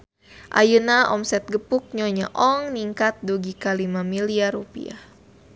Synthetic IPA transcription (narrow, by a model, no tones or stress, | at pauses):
ʔa̰junaɔmsɛt̪̚ɡəpuk̚ɲɔɲa̰ʔɔŋniŋkat̪̚duɡikalimamiliaɾupḭa̰